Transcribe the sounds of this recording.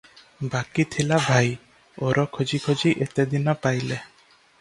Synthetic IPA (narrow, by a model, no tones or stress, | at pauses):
bakit̪ʰilabʱaj | oɾɔkʰod͡ʒikʰod͡ʒiʔet̪ed̪inɔpajle